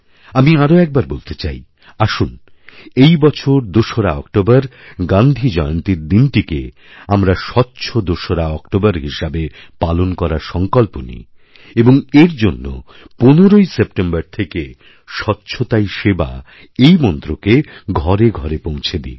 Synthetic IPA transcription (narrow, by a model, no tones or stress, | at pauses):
amiaɾoɛk̚baɾbolt̪et͡ɕaj | aʃun | ejbɔt͡ɕʰoɾd̪oʃoɾaɔkʈobaɾɡãnd̪ʱid͡ʑɔeont̪iɾd̪inʈikḛ | amɾaʃɔtːɕʰod̪oʃoɾaɔkʈobaɾɦiʃabepalonkɔɾaɾʃɔŋkɔlponḭ | eboŋeɾd͡ʑonːo̰ | ponoɾojsep̚ʈembaɾt̪ʰeke | ʃɔtːɕʰot̪ajʃeba̰ | ejmɔnt̪ɾokeɡʱɔɾeɡʱɔɾepõw̃t͡ɕʰed̪ḭ